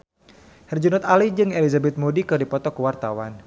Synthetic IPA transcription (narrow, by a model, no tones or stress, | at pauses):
hɛrd͡ʒunɔt̪alid͡ʒɨŋelizabɛt̪̚modikɨrdipɔt̪ɔkuwart̪awan